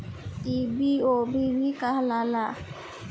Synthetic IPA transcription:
ibiobibikaɦlala

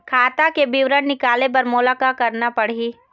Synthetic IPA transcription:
kʰaːt̪akebɪʋɾəɽːɪkaːlepɐɾmoːlakakɐɾnapɐɽ̤ɦiː

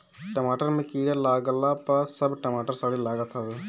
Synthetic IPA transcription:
ʈəmaːʈəɾmẽkiːɾalaːɡəlapɐsɐbʈəmaːʈəɾsaɽilaːɡət̪ʰaʋe

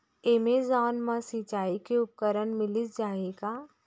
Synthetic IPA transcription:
emeːzaːnmãsit͡ʃaːikeʊp̚kəɾənmɪlɪsd͡ʒaːeɡaː

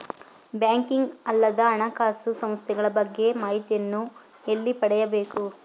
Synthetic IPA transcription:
bjaːŋkiŋɡɐlːɐd̪ɐːɳɐkaːsusɐmst̪ʰɛɡɐɭɐbɐɡːe̞maːɦit̪ijɐnːu | elːipɐɽɛjɐbe̞ːku

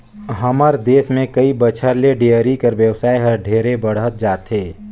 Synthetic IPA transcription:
ɦəməɾd̪eːsmẽkəibət͡ʃʰəɾleɖejəɾikəɾʋjəwsaːiɦɐɾɖʱeːɾebəɽ̤ət̪̚d͡ʒaːt̪ɦeː

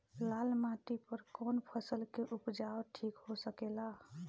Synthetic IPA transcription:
lalmãt̪ipəɾkɔnpʰəsəlkeʔupd͡ʒaoʈʰikɦosəkela

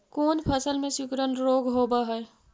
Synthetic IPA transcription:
koːnpʰəsəlmẽsʊkɾənɾoːɡɦoːbaɦɛː

